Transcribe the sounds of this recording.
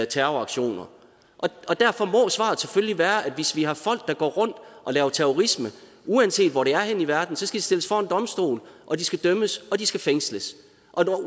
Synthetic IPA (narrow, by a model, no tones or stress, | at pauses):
t͡sʰæɐɑ̈ɡ̥ɕo̝̰ːnɐ | ʔɒ̽ɒ̽d̥æɐfɒ̽mɒ̽sʋɑ̰̈ð̩ˠsefølliʋæːɐʔæd̥ʋe̝sʋihɑ̈fɒ̽l̰ɡ̥̚d̥ɑ̈ɡ̥ɒ̰ːʁɔ̽n̰d̥ʔɒ̽lɛːʊɐt͡sʰeoʁismə | uænse̝̰ːd̥ʋɒɾ̥e̝æɐheniʋæɐd̥n̩sɒ̽sɡ̥æd̥isd̥e̝ləsfɒːe̝nd̥ɒ̽msd̥o̝̰ːlʔɒ̽d̥isɡ̥æd̥øməsɒ̽d̥isɡ̥æfeŋsləs | ʔɒ̽nɒ